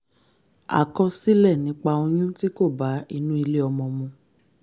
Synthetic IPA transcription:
a̰˨kɔ˧si˦lɛ˦˨nĩ˨˦k͡pa˧o˧j̃ũ˦ti˦ko˦˨ba˨˦i˧nũ˦i˧le˦ɔ˧mɔ̃˧mɔ̃˧

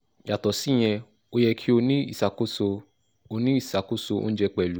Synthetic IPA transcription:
ja˨tɔ˨si˦˨j̃ɛ̃˧ | o˧jɛ˧kʰi˦o˧nĩ˦ḭ˦˨sa˨ko˦so˧ | o˧nĩ˦i˦˨sa˨ko˦so˧o̰˦n̩˦d͡ʒɛ˧k͡pɛ˨lu˨˦

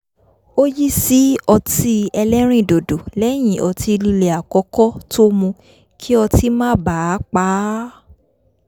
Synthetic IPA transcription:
o˦ji˦si˦ɔ˧ti˧ɛ˧lɛ˦ɾ̃ĩ˦˨do˨do˨lɛ˦˨j̃ĩ˨ʔɔ˧ti˧li˧le˨a˨kɔ˨˧˦kɔ˦tʰo˦mũ˧ | kʰi˦ɔ˧ti˦mãː˦˨ba˨˦k͡pa˨˦

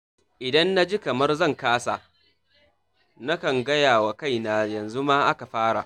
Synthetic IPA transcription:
ʔɪ˨dɐ˦nːa˦d͡ʒi˦kɐ˨mɐ˦rzɐ˦˨ŋkaː˦sa˨ | na˦kɐ˨ŋɡɐ˦jaː˨wa˨ka˦˨jnaː˨jɐ˨nzu˦ma˦ʔa˦ka˨ɸaː˦ɽa˨ʔ

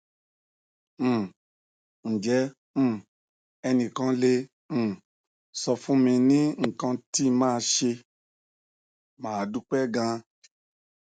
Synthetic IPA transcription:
n̩˨d͡ʒɛ̃˨˦˨ | ɛ˧nĩ˨kã˨˧˦le˦ | m̩̃˦˨ | sɔ˧fũ˦mĩ˧nĩ˦ŋ̩˨kã˧ti˦˧mãː˦˧ʃe˧ | mãː˨du˦k͡pɛ˦ɡã˧

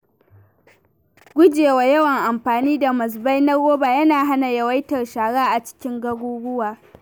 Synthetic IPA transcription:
ɡʷʊ˦d͡ʒeː˨wa˨jɐ˦wɐ˨ŋʔa˨mɸaː˨niː˦da˨mɐ˨s̬ba˦jnɐ˦ɡoː˦baː˨jɐ˦naː˨ɦa˦na˨jɐ˨wa˦jtɐ˨rʃaː˨ɽaː˦ʔa˨t͡ʃɪ̥˦kʲɪ˦ŋɡɐ˦ɡʷuː˦ɡʷʊ˦waː˨

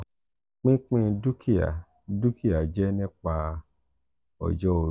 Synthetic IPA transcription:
k͡pĩ˦k͡pĩ˦du˦kʰi˦a̰˨ | du˦kʰi˦a˨d͡ʒɛ˦nĩ˦k͡pa˧ | ɔ̰˨d͡ʒɔ˦o˨

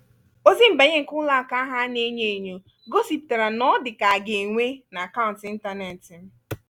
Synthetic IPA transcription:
o˦zi˦m̩˨ba˨ɲe˦ŋ̩˨kʊ˦la˦˨ka˦a˦ɦa˦ne˦ɲe˨ɲo˨ | ɡo˦si˨p̚ta˨ɾa˨nɔ˦dɪ˨ka˨a˨ɡe˨ŋʷe˦na˨a˨ka˦ʊ˨n̩˨tɪ˨˦n̩˦ta˦ne˨tɪ˨˦

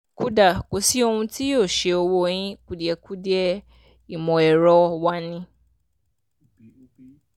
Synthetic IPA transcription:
ku˦da˨ko˨si˦o˦hũ˧tʰi˦o˦˨ʃe˨o˧wo˧˦ɲĩ˦ku˨di˨ɛ˨ku˦di˦ɛ˦ | i˨mɔ̃˨ɛ˨ɾɔ˧wa˦nĩ˦

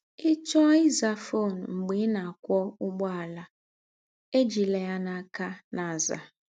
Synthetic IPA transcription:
ɪ˦t͡ʃɔ˦i˦za˨fo˦˨n˨ŋ͡m̩˨ɡ͡be˨˦na˨a˨kʷɔ˦ʊ˦ɡ͡bɔ˦a˨la˨ | e˦d͡ʒi˨le˨a˦na˨˦˨ka˦na˨za̰˨

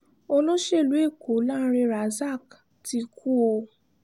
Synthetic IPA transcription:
o˧lo˦ʃe˦˨lu˨˦e˦˨ko˨˦lã˦˧ɾĩ˧ɾa˨za˦˨k | ti˧kʰu˦o˧

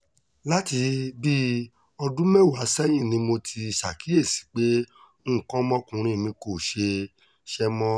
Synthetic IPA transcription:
la˦ti˧bi˦ | ɔ˧dũ˦mɛ̃˦˨wa˨˦sɛ˦j̃ĩ˦˨nĩ˧mo˧tʰi˧ʃa˨ki˨˦e˦˨si̥˨˦k͡pẽ˦˨ | kɔ̃˦mɔ̃˦kũ˧ɾ̃ĩ˧˨nĩ˧ko˨ʃe˧ | ʃɛ˦mɔ̃˦

